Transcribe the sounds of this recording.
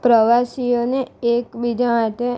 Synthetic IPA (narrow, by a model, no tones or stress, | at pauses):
pɾəʋasijoneekbid͡ʒamaʈe